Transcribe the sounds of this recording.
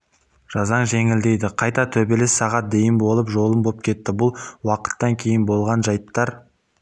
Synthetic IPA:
ʒ̥ɑzɑɴʒe̞ŋɪld̪e̞jd̪ɪqʰɑjt̪ɑt̪ʰɵbe̞lɪsːɑʁɑt̪̚d̪e̞jɪmbo̞lˠəpʒo̞lˠəmbop̚kʲʰe̞t̪ːɪbʊlˠwɑqə̥t̪ːɑŋkʲʰe̞jɪnbo̞lˠʁɑnʒɑjpt̪ːɑɾ

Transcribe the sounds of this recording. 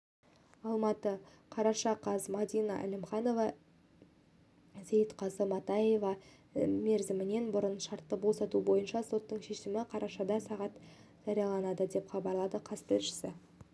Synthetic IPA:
ɑlˠmɑt̪əqʰɑɾɑʃɑqʰɑzmɑd̪ijnɑ̰ʔæ̰lʲɪmχɑno̞vɑ | zejt̪qʰɑzəmɑt̪ɑje̞vɑ | me̞ɾzɪmɪne̞nbʊɾənʃɑɾt̪ːəbo̞sɑt̪ubo̞jənʃɑso̞t̪ːəɴʃe̞ʃɪmɪqʰɑɾɑʃɑd̪ɑsɑʁɑt̪ | ʒ̥ɑɾijɑlˠɑnɑd̪əd̪e̞pχɑbɑɾlˠɑd̪əqʰɑst̪ɪlʃɪ̥sɪ

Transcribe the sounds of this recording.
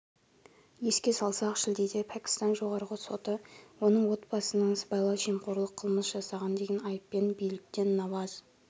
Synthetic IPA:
je̞skʲe̞sɑlˠsɑqʃɪld̪ed̪epʰækʲɪ̥st̪ɑnʒo̞ʁɑɾʁəso̞t̪əwo̞nəɴwo̞t̪̚bɑsənəɴəsbɑjlˠɑʒijmqoɾlˠəqʰəlˠməsʒ̥ɑsɑʁɑnd̪e̞ɡʲenɑjəpːe̞nbijlɪk̚t̪e̞nːɑvɑz̥

